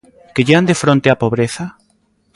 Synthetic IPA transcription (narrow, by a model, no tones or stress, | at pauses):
keʎeand̪efɾõnt̪eapoβɾeθa